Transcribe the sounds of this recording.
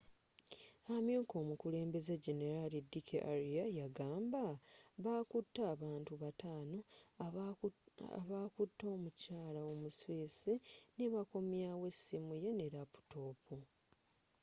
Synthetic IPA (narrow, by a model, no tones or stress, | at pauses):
amjuːko̞ːmukule̞ːmbe̞zeɟe̞ne̞ɾalidikʰḛʔaɾiajaɡaːmbaβaːkutːaːβaːntuβataːno̞ | βakutːo̞ːmucaːlaomusweːsineβako̞mjawe̞simuje̞neɾapu̥to̞ːpu